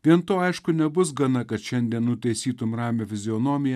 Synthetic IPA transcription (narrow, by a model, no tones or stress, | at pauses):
ʋʲiɛnt̪oːɐɪʃkʊnʲɛbʊsɡɐnɐkɐt̪ʃʲɛnʲd̪ʲiɛnnʊt̪ʲɛɪsʲiːt̪ʊmɾɑːmʲoːfʲɪzʲɪɔnoːmʲɪjɛ